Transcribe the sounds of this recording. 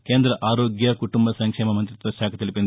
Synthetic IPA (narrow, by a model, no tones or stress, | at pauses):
keːnd̪ɾɐʔaːɾoːɡjɐkuʈumbɐsɐŋkʂɛːmɐmɐnt̪ɾit̪ʋɐʃaːkʰɐt̪ilipin